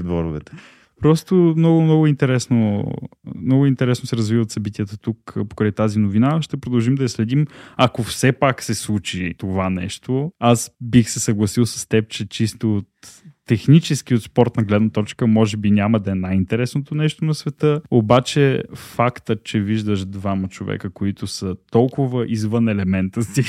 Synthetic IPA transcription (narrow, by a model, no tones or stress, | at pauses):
d̪vɔɾʊvɛt̪ɛ̥ | pɾɔst̪omnɔɡʊmnɔɡʊint̪ɛɾɛsno | mnɔɡʊint̪ɛɾɛsnosɛɾɐzvivət̪sɐbit̪ʲijət̪ət̪ukpo̥kɾajt̪azinovinaʃt̪ɛpɾod̪ɐlˠʒimd̪ɐislɛd̪imɐkofsɛpaksɛslˠut͡ʃit̪ovanɛʃt̪oasbixsɛsɐɡlˠɐsilˠsə̥st̪ɛp̚t͡ʃɛt͡ʃist̪ot̪ːɛxnit͡ʃɛsk̟iot̪spɔɾt̪nɐɡlɛd̪nət̪ɔt͡ʃkəmɔʒɛbinʲaməd̪ɐɛnajint̪ɛɾɛsnot̪onɛʃt̪onɐsvɛt̪əobat͡ʃɛfakt̪ət͡ʃɛviʒd̪əʃd̪vamət͡ʃovɛ̰kəkoit̪ʊsət̪ɔlˠkʊvəʔizvənɛlɛmɛnt̪əst̪i